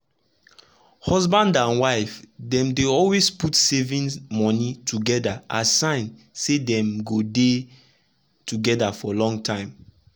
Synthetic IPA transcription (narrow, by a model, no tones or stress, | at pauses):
hɔzbãndãnwaɪfdɛ̃mdeɔlwesputsevĩnmɔnitʰuɡɛdaʔasãɪ̃n | sedɛ̃mɡode | tʰuɡɛdafɔlɔ̃ŋtʰãɪ̃m